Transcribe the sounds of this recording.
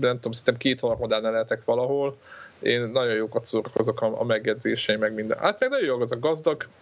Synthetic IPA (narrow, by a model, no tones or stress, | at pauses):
nɛmt̪uomsint̪ɛmkeːt̪honɒpmod̪ɛlnɛlɛɛt̪ɛkʋɒlɒɦo̞leːnːɒɟo̞joːkɒt̪soːɾɒko̞zo̞kɒɒ̰mɛɡjɛd̪zeːʃɛimɛɡmind̪ɛ̰nhat̪mɛɡnɒjojoːɡozɒɡɡɒzd̪ɒɡ